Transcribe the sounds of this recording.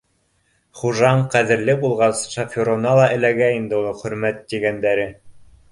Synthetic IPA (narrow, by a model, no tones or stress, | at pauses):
χuʒɑɴqæðɘ̆ɾlɘbulˠʁɑsʃafʲoɾonɑlˠɑʔɘ̆læɡæind̪ɘulˠɤχɵ̆ɾmæt̪ːiɡænd̪æɾɘ